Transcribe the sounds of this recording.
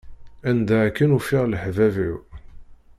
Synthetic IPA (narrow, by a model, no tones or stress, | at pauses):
ænd̪æʕkːənufɪʁlħvævu